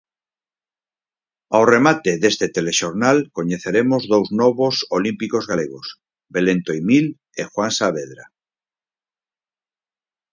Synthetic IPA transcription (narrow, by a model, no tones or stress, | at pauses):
awremat̪eðest̪et̪eleʃoɾnalkoɲeθeɾemozðowznɔβosolimpikozɣaleɣ̞os | belẽnt̪oimil | exwansaβ̞eðɾa